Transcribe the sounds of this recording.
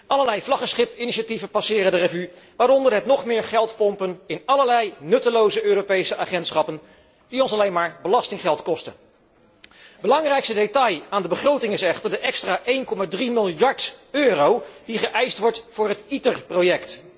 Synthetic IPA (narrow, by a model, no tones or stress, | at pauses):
ɑləlɛjvlɑχəsχɪpɪniʃativəpɑsɪːrəndərəvyʋaːɾɔndəɹɦətnɔχmɪːɹχɛlˠtpɔmpənɪnɑləɹlɛjnɵtəlowzəøːropejsəʔaχɛntsχɑpən | d̥iɔnsɑlejnmaːɹbəlɑstɪŋχɛlˠtkɔstə̰n | bəlɑŋrɛjkstədetɑjaːndəbəχrowtɪŋɪsɛχtəɹdəʔɛkstraːʔejnkɔmaːdrimɪlˠjɑɹtøːrowd̥iχəʔɛjstʋɔɹtfʊːɹɦətitərprowjɛkt